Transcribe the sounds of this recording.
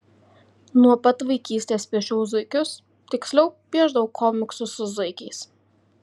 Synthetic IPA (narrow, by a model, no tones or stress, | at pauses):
nuɔpɐt̪ʋɐɪkʲiːsʲt̪ʲeːspʲiɛʃʲɛʊzʊɪkʲʊs | t̪ʲɪksʲlʲɛʊbʲiɛʒd̪ɐʋɐkʰɔmʲɪksʊsʊzɐɪkʲɛɪs